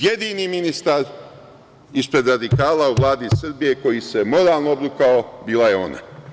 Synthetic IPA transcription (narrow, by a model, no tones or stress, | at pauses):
jed̪iːniminist̪aɾ | ispɾe̞d̪ɾad̪ikaːlauʋlˠaːd̪isr̩bije̞ko̞jise̞mo̞ɾaːlˠnoobɾukaobiːlˠaje̞o̞̰ːna̰